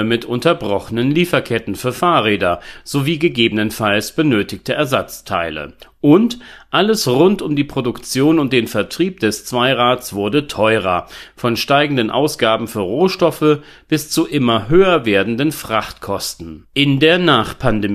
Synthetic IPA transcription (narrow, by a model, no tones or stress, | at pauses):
əmɪtʔʊntɐbʁɔχənənliːfɐkʰɛtn̩fyːɐfaːɐʁeːdɐz̥oviːɡəɡeːbənənfalsb̥ənøːtɪçtəʔɛɐzat͡stʰa̰ɪlə̰ʔʊntʔaləsʁʊntʊmdiːpʁ̥odʊkt͡sjoːnʊnt̚d̥eːnfɛɐtʁ̥iːp̚d̥ɛst͡sv̥aɪʁaːt͡sv̥ʊɐdətʰɔʏʁ̞ɐ̰fɔnʃtaɪɡŋ̩dənʔa̰ʊsɡ̥aːbm̩fyːɐʁoːʃtɔfə | b̥ɪst͡suʔɪmɐɦøːɐveːɐdn̩dənfʁ̥aχtkʰɔstn̩ʔɪndeːɐnaːχpʰande